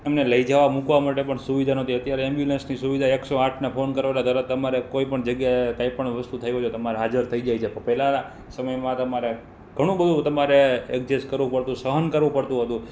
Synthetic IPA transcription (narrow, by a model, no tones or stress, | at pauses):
emneləid͡ʒaʋamũkʋamaʈepəɳsuʋid̪ʱanət̪ʰiət̪jaɾeɛmbjulensnisuʋid̪ʱaeksoaʈʰnepʰonkəɾʋalad̪ʱəɾət̪əmaɾekoipəɳd͡ʒəɡjat̪ajpəɳʋəst̪ut̪ʰəjoot̪əmaɾeɦad͡ʒəɾt̪ʰəid͡ʒajt͡ʃʰepəpɛlaa | səməjmãt̪əmaɾe | ɡ̥ʱəɽ̃ũbəd̪ʱũt̪əmaɾeɛk̚d͡ʒeskəɾʋũpəɾt̪ũsəɦənkəɾʋũpəɽt̪ũɦət̪ũ